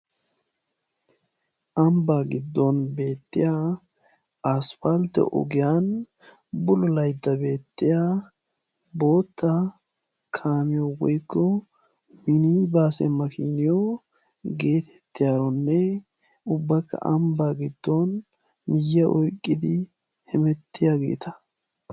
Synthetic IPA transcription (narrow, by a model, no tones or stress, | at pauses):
ʔɐmbaːɡɪd̪ːɔnbe̞ːt̪ːɪ̰ja | ɐsfɐlt̪ɛ̰ʔɔ̰ɡɪjan | bʊlʊlɐjd̪ːɐbe̞ːt̪ːɪjaː | bo̞ːt̪ːɐ | kʰaːmɪjɔwɔjkːɔ | mɪnibaːsɛmːɐkinɪjɔ | ɡe̞ːt̪ʰɛ̥t̪ːɪjaːɾɔnːɛ | ʊbːɐkːɐ̰ʔɐmbaːɡɪd̪ːɔn | mɪjːɐʔɔjkʼːɪd̪ɪ | hɛmɛt̪ːɪjaɡe̞̰ːt̪ɐ̥